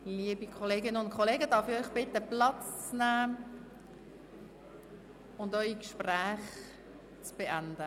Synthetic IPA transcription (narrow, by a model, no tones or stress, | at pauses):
liəbikʰoleːɡɪnəʊnt̚kʰoleːɡəd̥ɑɾfiœʏχb̥ɪtəplɑt͡st͡snæː | ʊndœʏikʃpræːχ | t͡sb̥eʔænd̥ə